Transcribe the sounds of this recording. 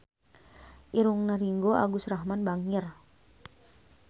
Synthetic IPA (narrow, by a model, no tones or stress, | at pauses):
ʔiɾuŋnaɾiŋɡoʔa̰ɡusrahmanbaŋir